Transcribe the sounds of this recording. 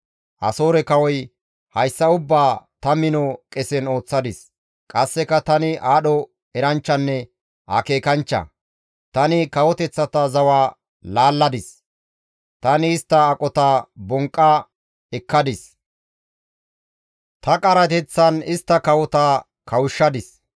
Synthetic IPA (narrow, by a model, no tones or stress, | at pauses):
ʔɐ̰so̞ːɾɛkɐwɔj | hɐjsːɐʊbːaːt̪ɐmɪnɔkʼɛsɛno̞ːt͡sːɐd̪ɪs | kʼɐsːɛkɐt̪ɐnɪʔaːɗɔ | ɛɾɐnt͡ʃːɐnːɛ | hɐ̰ke̞ːkɐnt͡ʃːɐ̰ | t̪ɐnɪkɐwɔt̪ɛt͡sːɐt̪ɐzɐwaː | laːlːɐd̪ɪs | t̪ɐnɪːst̪ːɐːkʼɔt̪abɔŋkʼːɐ | ɛkːɐd̪ɪs | t̪ɐkʼɐɾɐt̪ɛt͡sːɐnɪst̪ːɐkɐwɔt̪a | kɐwʊʃːɐd̪ɪs